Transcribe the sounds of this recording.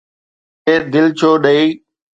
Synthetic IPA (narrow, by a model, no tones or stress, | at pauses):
eːɾd̪ɪlt͡ɕʰoːɗəiː